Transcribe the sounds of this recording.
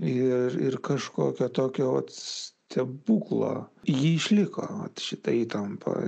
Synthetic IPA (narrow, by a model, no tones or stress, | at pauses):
ɪɾɪrkɐʃkoːkʲot̪oːkʲoːʋɐt̪ssʲt̪ʲɛbuːklˠo̰ːjiɪʃʲlʲɪko̰ːʋɐ̰t̪ʃʲɪt̪ɐiːt̪ɐmpʰɐ̰